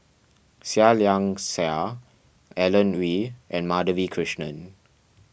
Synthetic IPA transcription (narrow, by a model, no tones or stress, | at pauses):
saljãŋsɛ | ɛlə̃nwiʔɛ̃nmadəvikʰɹɪʃnə̃n